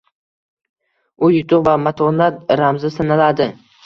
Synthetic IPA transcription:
ʊjʊt̪ʰʊqvamat̪ʰɒnat̪̚ɾamzɪsanalad̪ɪ

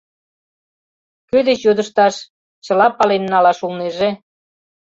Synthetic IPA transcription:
kød̪et͡ɕjod̪əʃt̪ɑʃ | t͡ɕə̆lɑpɑlenːɑlɑʃulneʒe

